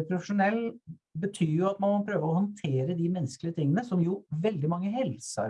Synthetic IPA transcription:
pʰɾʊfəʂʊnɛlːbət̪ʰyːjʊɑt̪mɑnmɔpʰɾøːʋəɔhɔnt̪ʰeːɾəd̪ɪmɛnːsklɪət̪ɪŋːənəsɔmjʊʋɛld̪ɪmɑŋːəhɛlsə̰

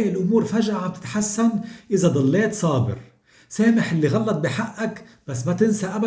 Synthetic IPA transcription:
jɪlʔʊmuːɾfaʒʔaʕambt̪ɪ̥t̪ħasːanʔɪzad̪ˤɑlːeːt̪sˤɑːbɪ̰ɾ | seːmɪħʔɪlːiɣɑlːɑt̪̚biħaʔːak | b̥asːmat̪ɪnsaʔaba

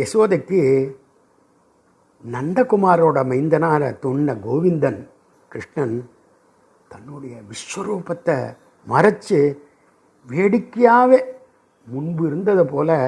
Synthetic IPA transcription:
ɛsoːðɐkːɯ | nɐnɖ̪ɐkʊmaːɾoːɽɐmɐɪnd̪ɐnaːɾɐt̪ʊɳːɐɡoːʋɪnd̪ɐn | kɾɪʂɳɐn | t̪ɐnːɯɽɐjɐʋɪʂʋɐɾuːpɐt̪ːɐ | mɐɾɐt͡ʃːɯ | ʋeːɽɪkːɪjaːʋeː | mʊɳbɪɾɯnd̪ɐðɐpoːlɐ

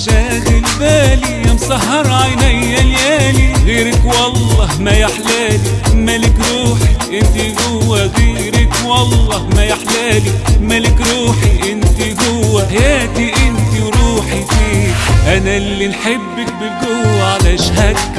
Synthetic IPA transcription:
ʃæːɣɪlbæːliɪnsˤɑhːɑɾˤʕajnæjːæljæːliɣiːɾɪkwɑlˤːɑːhmæjaħlæːlimælɪkɾuːħiʔɪnt̪iɡʊwːæɣeː | ɾɪkwɑlˤːɑːhmæjaħlæːlimælɪkɾuːħiʔɪnt̪iɡʊːæħajæːt̪iʔɪnt̪iɾuːħifiːʔænælːinħebːɪk̚bɪɡʊwʕalæʃhæɡ

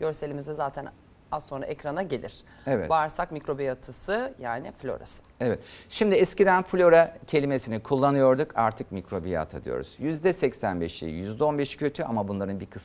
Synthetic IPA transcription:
ɟ̥ø̞ɾselʲimizd̪ɛzaːt̪ʰæn | azːo̞nɾa̰ʔecɾanaɟelʲḭɾ̥ | evɛ̰vaɾsakmikɾo̞bijat̪ʰɯsɯjaːnɪ̰flʲo̰ɾa̰sɯ̥evɛt̪ʃimd̪iɛscid̪ænflʲo̞ɾacʰe̞lʲimesinikʰulˠːanɯjo̞ɾd̪uka̰ɾt̪ʰɯkmicɾo̞bija̰t̪ʰa̰d̪ɯ̰jo̰ɾṵz̥jyzd̪ɛsɛcsænbɛʃḛjyzd̪ɛo̞nbɛʃcʰøt̪ʰya̰mabunlˠaɾɯnbikʰɯs

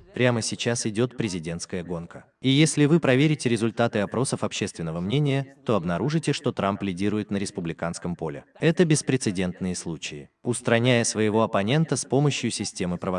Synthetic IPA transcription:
pɾʲaməsʲɪt͡ɕasɪdʲo̞t̪pɾʲɪzʲɪdʲe̞nt̪skəjəɡo̞nkə | ijesʲlʲɪvɨpɾɐvʲeɾʲɪtʲɪɾʲɪzʊlʲt̪at̪ɨɐpɾo̞səfɐpɕːe̞st̪vʲɪnːəvəmnʲenʲɪjət̪o̞ɐbnɐɾuʐɨtʲɪʂt̪o̞t̪ɾamplʲɪdʲiɾʊjɪt̪nəɾʲɪspʊblʲɪkanskəmpo̞lʲɪ̰ɛt̪əbʲɪspɾʲɪt̪sɨdʲe̞nt̪nɨjəslˠut͡ɕɪɪʊst̪ɾɐnʲæjəsvəjɪvo̞ɐpɐnʲe̞nt̪əspo̞məɕjʊsʲɪsʲtʲe̞mɨpɾəvɐ

